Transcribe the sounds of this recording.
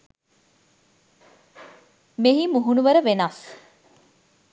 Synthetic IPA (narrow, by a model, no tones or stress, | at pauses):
meɦiːmuɦunuʋɐɾəʋenaːs